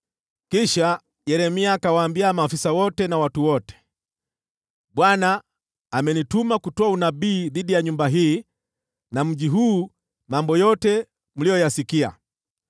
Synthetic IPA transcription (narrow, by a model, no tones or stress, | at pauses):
kiʃa | jɛɾɛmiakawaːmbiamaːfisawɔtɛnawatuwɔtɛ̥ | ɓwanaː | mɛnitumakutɔaunabiːðiɗijaɲumbaɦiː | nam̩ʄiɦuː | mambɔjɔtɛ | m̩lijɔjasikia̰